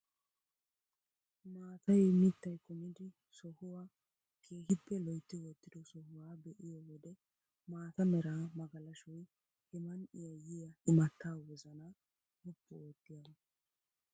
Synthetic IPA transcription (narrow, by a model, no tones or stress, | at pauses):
maːt̪ʰɐjmɪt̪ːɐjkʊmɪd̪ɪ | sɔhʊwaː | kʰe̞ːɦɪpːɛlɔjt̪ːɪwɔt̪ːɪd̪ɔsɔhʊwaːbɛʔɪjɔwɔd̪ɛ | maːt̪ɐmɛɾaːmɐɡɐlɐʃɔj | hɛmɐnɪjɐjɪjɐɪmɐt̪ːaːwɔzɐnɐ | hɔpːɔoːt̪ːɪjɐn